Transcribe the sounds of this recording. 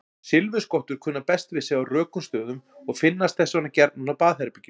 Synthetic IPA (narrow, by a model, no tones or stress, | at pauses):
sɪlvʏskɔht̪ʏɾ̥kʰʏːnːapɛst̪vɪ̥sɛːɣarœːkʏmst̪œːðʏmɔɣfɪnːast̪θɛsːanacɛɾt̪nunawpaːðθɛɾpɪcːɪ